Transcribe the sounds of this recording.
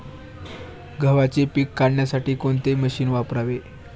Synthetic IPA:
ɡʱəʋat͡sepiːkːaɽɳjasaʈiːkoɳt̪eməɕiːnʋapɾaʋe

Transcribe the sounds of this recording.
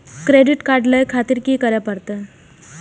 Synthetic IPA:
kɾeɖiʈkaɾɖləjkʰat̪iːɾkiːkəɾjapəɾt̪ə

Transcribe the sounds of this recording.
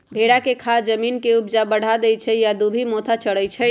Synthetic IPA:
bʱeɽakekʰad͡ʒəminkeubd͡ʒabəɽ̤ʱad̪ɛjt͡ʃʰɛjad̪ubʱimot̪ʰat͡ʃəɽəjt͡ʃʰɛ

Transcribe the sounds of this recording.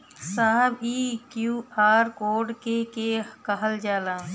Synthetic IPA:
saɦəbiːkjuːaːɾkoːɖkekekəɦəld͡ʒaːlãː

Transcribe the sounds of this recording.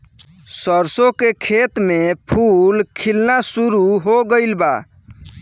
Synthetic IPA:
səɾsokekʰet̪mepʰulkʰilnasuɾuɦoɡəɪlba̰

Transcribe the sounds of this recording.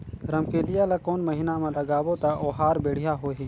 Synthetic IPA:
ɾɐmkeːlɪjalakoːnmɐɦɪnamãlɐɡaːwot̪aʔoːɦaːɾbeːɽ̤ɪjaɦoːɦi

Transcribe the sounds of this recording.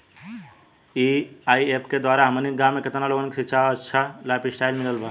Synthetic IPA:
iaːiepʰked̪waːɾaɦəməniɡãmːeket̪naloːɡənkesitːt͡ʃʰaətːʃʰalaːpisʈaːilmiləlba

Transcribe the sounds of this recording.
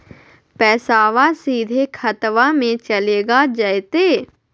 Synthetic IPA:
pɛːsaːʋasiːd̪ʱekʰɐt̪ʋamẽt͡ʃɐleːɡad͡ʒəet̪eː

